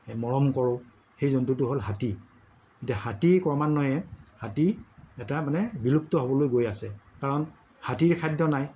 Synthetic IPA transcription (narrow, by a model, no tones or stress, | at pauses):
mɔɹɔmkɔɹʊ | xejzɔntutʊɦolɦati | kitahatikɔɹmanːɔjɛhatiɛtamanɛbilup̚tɔɦobɔlojɡojasɛkaɹɔn | hatiɹkʰajdɔnaj